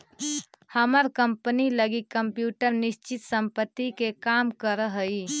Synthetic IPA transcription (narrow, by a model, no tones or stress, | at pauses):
həməɾkəmpəniləɡikːəmpjuʈəɾnist͡ʃit̪səmpət̪ːikekamkəɾəɦəi